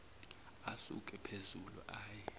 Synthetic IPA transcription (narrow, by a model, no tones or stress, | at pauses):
asṵkʼɛpʰezulṵʔaːjɛ